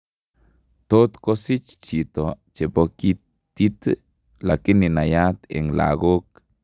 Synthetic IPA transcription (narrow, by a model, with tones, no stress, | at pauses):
t̪o˦t̪ko˦si˦t͡ʃt͡ʃi˨t̪o | t͡ʃe˨bo˨ki˦ | t̪i˦t̪ | la˨ki˦ni˨na˨ja˦t̪ḛ˨ŋla̰˨ɡo˦k̚